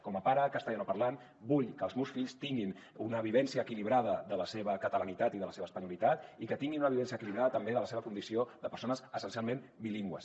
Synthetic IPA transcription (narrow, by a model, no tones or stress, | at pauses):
kɔməpaɾəkəst̪aanopəɾlan | buʎkəːlˠzmewsfiʎst̪iŋɡin | unəβ̞iβɛnsiəːkiliβɾaðəðələseβəkət̪ələnit̪at̪iðələseβəspəɲulit̪at̪ikət̪iŋɡinunəβiβɛns̬iəkiliβɾaðət̪əmbeðələseβəkund̪isioðəpəɾsonəzəsənsialˠmẽnbiliŋɡwə̰s